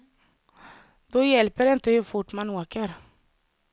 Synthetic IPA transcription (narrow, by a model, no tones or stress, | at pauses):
d̪̥ɔjɛlpəɾɪnt̪əhɵɾfʊʈːmanoːkəɾ